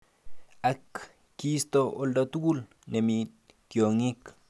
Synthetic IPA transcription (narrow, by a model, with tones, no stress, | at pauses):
a˨kː | i˦st̪ooldat̪u˦ku˦l | ne˨mit̚ | kjo˨ŋi˦k